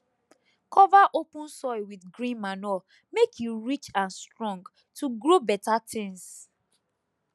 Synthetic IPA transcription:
kʰɔvaʔopũnsɔɪwidɡɹĩnmanɔ | mekʰjuɹit͡ʃãnstɹɔ̃ŋɡ | tʰuɡɹobɛtatʰɛ̃ns

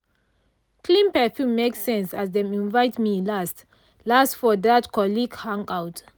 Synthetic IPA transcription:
kʰlĩmpɛfjũmeksɛ̃nsasdɛ̃mĩnvaɪtmilast | lastfɔdatkɔliɡhãŋkawt

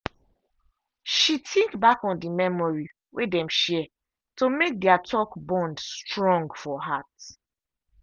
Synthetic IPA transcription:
ʃitʰĩŋkbakɔ̃ndimɛmɔɹi | wʔedɛ̃mʃɛ | tomek̚dɛatʰɔkbɔ̃ndstɹɔ̃ŋɡfɔɦat

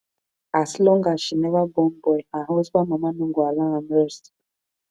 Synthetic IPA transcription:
aslɔ̃ŋɡaʃinevabɔmbɔjaɦwes̬amamanuŋɡualaŋamɛɾs

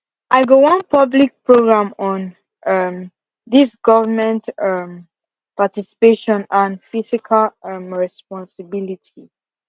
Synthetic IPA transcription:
ʔaɪɡowɔ̃npʰʌblik̚pɹoɡɹãmɔ̃n | ʔʌm | d̪isɡ̥ɔvəmɛ̃ntʌm | patisi̥peʃɔ̃nãnfisikʰalʌmɹɛspɔ̃nsəbilitʰi

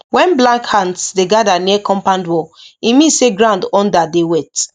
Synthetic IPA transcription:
wɛ̃nblãŋkhãndsdeɡadaniɛkɔ̃mpãndwɔimĩseɡɾãndɔ̃ndadewɛt

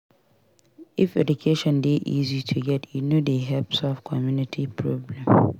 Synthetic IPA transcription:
ifɛdukʰeʃɔ̃ndeʔizitʰuɡɛtjunodeɦɛpsɔfkʰɔmjunitʰipʰɹɔblɛ̃m

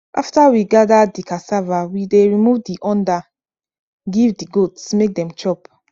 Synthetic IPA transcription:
ʔa̰ftawiɡadadikasavawideɹimuvdiʔɔ̃nda | ɡivdiɡotsmek̚dɛ̃mt͡ʃɔp

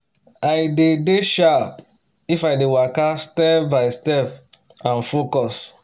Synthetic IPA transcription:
ajdedeʃa | ifajdewakastɛpbaɪstɛp | ãnfokɔs

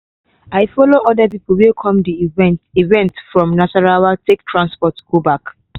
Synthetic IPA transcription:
aɪfɔloʔɔdapip̩wɛlkʰɔ̃mdiɛ̃tivɛ̃ntsfɹɔ̃mnasaɹawatʰek̚tʰɹãnspɔtɡ̥obak

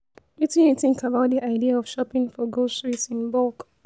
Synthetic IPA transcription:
witĩniθɪ̃ŋkabaʊt̚ðiʔaɪdiaɔv̥ʃɔpɪ̃ŋfɔɡostɹitsĩnbɔlk

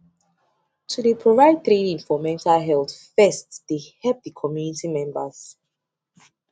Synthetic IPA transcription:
tʰudepʰɹɔvaɪd̚θɹedĩnfɔmɛ̃ntaɦɛlθfɛstd̥ehɛlp̚dikʰɔmjunitimɛ̃mbə̰z̥

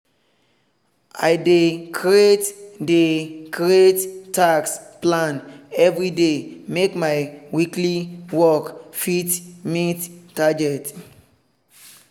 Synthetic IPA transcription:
ajdekʰɹietdekʰɹiettaksplãnɛvɹidemekmajwikliwɔkfitmitːaɡɛt

